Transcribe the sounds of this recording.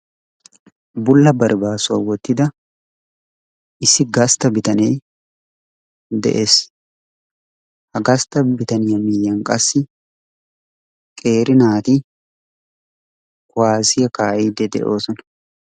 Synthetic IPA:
bʊlːɐbɐɾbaːsʊɐwɔt̪ːɪd̪ɐ | ʔɪsɪɡɐst̪ɐbɪt̪ɐneː | d̪ɛ̰ʔeːs | hɐɡɐst̪ɐbɪt̪ɐnɪjɐmɪjːɐŋkʼɐsːɪ | kʼe̞ːɾɪnaːt̪ɪ | kʊaːsɪjɐkaːʔiːd̪ɛd̪ɛ̰ʔoːsɔnɐ

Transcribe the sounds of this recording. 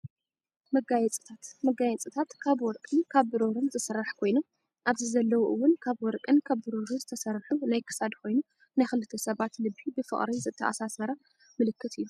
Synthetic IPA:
mɐɡajɛt͡sʼɨ̥t̪ʰat̪mɐɡajɛt͡sʼɨt̪ʰat̪kʰaβwɔɾkʼɨnkʰaβbɨɾoɾɨnzɨsɐrːaħkʰo̞jnu | ʔaβzizɐlːɐwuʔɨwːʊnkʰaβwɔɾkʼɨnkʰaβbɨɾoɾɨzɨt̪ʰɐsɐrːħunajkʰɨ̥sad̪kʰo̞jnu | najxɨlɨt̪ʰːɐsɐβat̪lɨbibɨfɨ̰χʼɾizɨt̪ʰːɐ̰ʔa̰sasɐɾɐ | mɨlɨkːɨt̪ɨjːu

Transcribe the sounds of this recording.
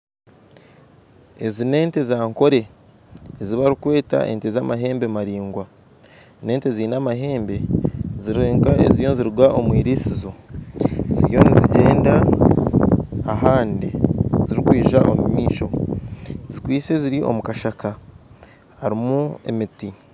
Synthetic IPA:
e̞zine̞ːntezaːŋko̞ɾe̞ | ziβaɾikwe̞ːta̰ʔe̞̰ntezaːmaɦe̞ːmbemaɾiːŋɡwa | ne̞ːnteziːnamaɦe̞ːmbe̞ziɾeːŋkaḛzijo̞nziɾiɡwaʔomwiːɾisizo̞ | zḭɾjo̞niziɟeːnda | ɦaːndiziɾikwiːʒaʔo̞̰mumiːʃo̞ | zikwiːse̞ziɾiʔo̞̰mukaʃaka | haɾimue̞̰miti

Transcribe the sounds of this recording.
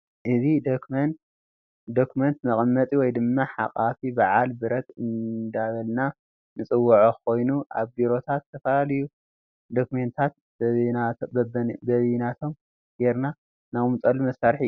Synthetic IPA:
ʔɨzid̪n | d̪okʰument̪mɐχʼmːɐt̪ʼiwɔjd̪ɨmːaħa̰kʼafibaʕalbɨɾɐt̪ɨnd̪aβɐlna | nɨt͡sʼɨwːɐʕokʰo̞jnuʔaβbiɾo̞t̪ʰat̪ʰːɐfɐlalɨju | d̪o̞kʰument̪ʰat̪̚ | bɐβinat̪ʰo̞m | ɡ̥eɾna | naβumt͡s̪ʼɐlumɐsːaɾħi

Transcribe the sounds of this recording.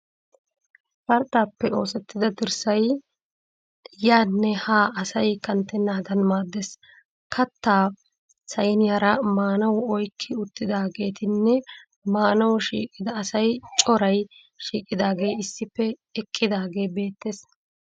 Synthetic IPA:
fɐɾt̪ʼːaːpːɛo̞ːsɛt̪ːɪd̪ɐd̪ɪɾsɐj | jaːnːɛhaːʔɐsɐjkɐnt̪ːɛnːaːd̪ɐnmaːd̪ːes | kʰɐt̪ːaː | sɐjnɪjaɾɐmaːnɐwʊɔjkʰːɪʊt̪ːɪd̪aːɡe̞ːt̪ɪnːɛ | maːnɐwʊʃḭːkʼɪd̪ɐːsɐjt͡ʃʼɔɾɐj | ʃiːkʼɪd̪aːɡe̞jɪsːɪpːɛ | ɛkʼːɪd̪aːɡe̞ːbe̞ːt̪ːeːs

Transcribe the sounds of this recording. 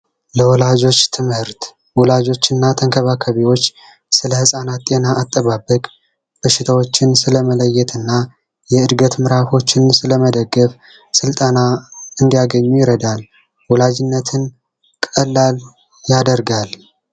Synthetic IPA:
ləwɔlad͡ʒo̞t͡ʃːt̪ʰɨmhɨɾt̪ | wɔlad͡ʒo̞t͡ʃːɨnːat̪ʰəŋkʰəβakʰəβiwo̞t͡ʃː | sɨləhɨsʼanat̪t̪ʼe̞naʔːt̪ʼːəβabːəkʼ | b̥əʃɪt̪ʰawo̞t͡ʃːɪnsɨləmələjːɛt̪ʰɨnːa | jɛɨd̪ɡət̪mɨɾafo̞t͡ʃːɪnsɨləməd̪əɡːəf | sɨlt̪ʼənaɨnd̪ijaɡəɲːujɪɾəd̪al | wɔlad͡ʒɪnːət̪ʰɨn | kʼəlːal | jad̪əɾɡal

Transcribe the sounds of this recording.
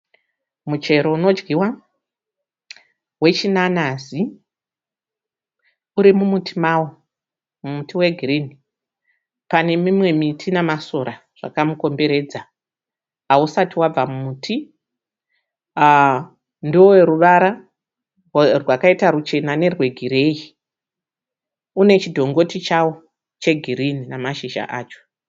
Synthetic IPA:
mut͡ʃe̞ɾo̞uno̞d͡ʒɡiwa | we̞t͡ʃinanazi | uɾimumutʰimawo | mumutʰiwe̞ɡʱirini | pane̞mimwe̞mitʰinamasoɾa | ʐ̥a̰kamuko̞mbe̞ɾe̞ːd͡za | ausatiwab͡vamumuːtʰi | ndoweɾuʋaɾa | rwakaitaɾut͡ʃe̞nane̞rwe̞ɡʱiɾe̞ːji | une̞t͡ʃidʱo̞ŋɡo̞tit͡ʃawo | t͡ʃe̞ɡʱirininamaʃiʒa̰ʔaːt͡ʃo̥

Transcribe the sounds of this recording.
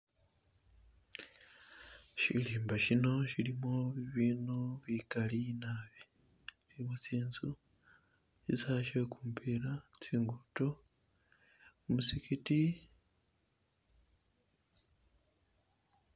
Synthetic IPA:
ʃḭliːmbaʃino̞ʃilimoβiβiːnoβikalinaβi | t͡ʃiimot͡siːnzu | sizaʃekuːmpʰiɾat͡siːŋɡuto | musikiti

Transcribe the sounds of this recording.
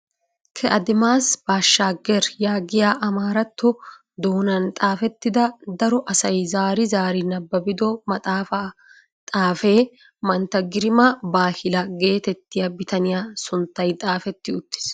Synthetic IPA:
kʰɛʔɐd̪ɪmaːsb̥aːʃːaːɡɛɾjaːɡɪjaːʔɐmaːɾɐt̪ːɔ | d̪oːnɐnt̪ʼaːfɛt̪ːɪd̪ɐd̪ɐɾɔʔɐsɐjzaːɾɪzaːɾɪnɐbːɐbɪd̪ɔmɐt̪ʼaːfɐ | t̪ʼaːfe̞ː | mɐnt̪ɐɡɪɾɪmɐbaːhɪlɐɡe̞ːt̪ɛt̪ːɪjɐbɪt̪ɐnɪjaːsʊnt̪ːɐjt̪ʼaːfɛt̪ːɪʊt̪ːɪ̥s

